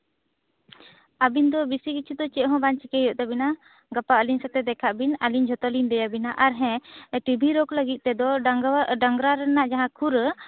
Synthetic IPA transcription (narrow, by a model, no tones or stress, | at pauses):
abind̪ɔbisikit͡ʃʰud̪ɔt͡ʃɛʔɦɔ̃bant͡ʃikɛjɔʔt̪ɛbina | ɡapaəliɲsɛt̪ɛd̪ɛkʰaʔbinaliɲd͡ʒʱɔt̪ɔlind̪ɛjabinaʔaɾɦɛ̃ʈibʱiɾɔkləɡit̪̚ˀt̪ɛd̪ɔ | aŋɡɾaɾɛnaʔd͡ʒaɦãkʰuɾ